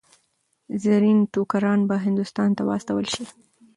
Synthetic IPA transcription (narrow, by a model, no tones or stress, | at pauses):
zaɾinʈokaɾɑnbaɦɪnd̪ʊst̪ɑnt̪awɑ̰st̪awəlʃi